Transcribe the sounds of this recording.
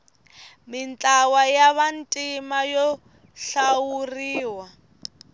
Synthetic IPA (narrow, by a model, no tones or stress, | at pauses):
mint͡ɬʼawajaβantʼimajɔ | ɬawuriːwa